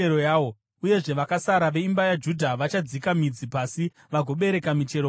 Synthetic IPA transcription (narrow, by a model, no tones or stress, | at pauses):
eojaːo | uje̞ʐe̞ʋakasaɾaʋe̞imbajad͡ʒudʱaʋat͡ʃad͡zikamid͡zipasi | ʋaɡʱo̞ɓe̞ɾe̞kamit͡ʃe̞ɾo